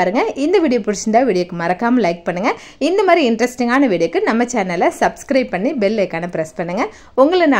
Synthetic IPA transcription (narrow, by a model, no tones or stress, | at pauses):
aːɾɯŋɡɐʔɪnd̪ɐʋiːɽɪjopʊɾɯt͡ʃːɐnd̪aːʋiːɽɪjokːɯmɐɾɐkːaːmɐlɐɪk̚pɐɳːɯŋɡɐ | ɪnd̪ɐmaːɾiɪɳɖɾɐsʈɪŋɡaːnɐʋiːɽɪjɐkːɯnɐmːɐt͡ʃaːɾnɐlɐsɐbskɾɐɪb̚pːɐɳːibɛlːɐkːaːnɐpɪɾɐspɐɳːɯŋɡɐ | ʊŋɡɐɭnaː